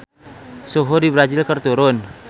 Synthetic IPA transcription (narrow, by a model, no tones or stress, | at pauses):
sɔɦɔdibɾazilkərt̪uɾʊn